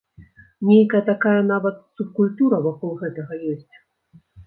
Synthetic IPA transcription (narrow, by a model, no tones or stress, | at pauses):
nʲejkɐjɐt̪akajɐnavɐt̪sup̚kulʲt̪uɾɐvakɔlˠɣɛt̪ɐɣɐjɔsʲt͡sʲ